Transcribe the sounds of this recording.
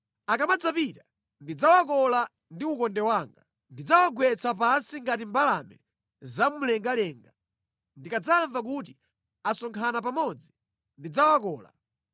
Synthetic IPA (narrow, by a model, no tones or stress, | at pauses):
akamad͡zapita | ndid͡zawakɔla | ndiukɔndɛwaːŋɡa | ndid͡zawaɡwɛt͡sʰapansiŋɡatimbalamɛ̰ | zamulɛŋɡalɛːŋɡa | ndikad͡zaːɱvak̬uti | asɔŋkʰanapamɔd͡zi | ndid͡zawakɔːla̰